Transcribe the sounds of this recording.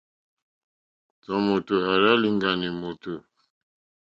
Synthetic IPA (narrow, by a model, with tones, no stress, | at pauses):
tɔ˨mo˨to˨ɦa˨ɾa˦li˦ŋɡa˨ni˨mo˨to˨